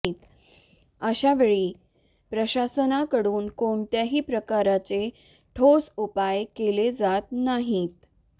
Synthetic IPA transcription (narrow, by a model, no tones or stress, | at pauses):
it̪ | əɕaʋeɭiː | pɾəɕasənakəɽuːnkoɳt̪jaɦiːpɾəkaɾat͡se | ʈʰosupajkeled͡zat̪̚naɦit̪̚